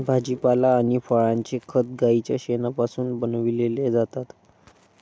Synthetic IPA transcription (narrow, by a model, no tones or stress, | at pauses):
bʱad͡ʑipalaːɽ̃ifɔɭaɲt͡ɕekʰət̪̚ɡait͡ɕjaɕenapasuːnbənʋileled͡zat̪at̪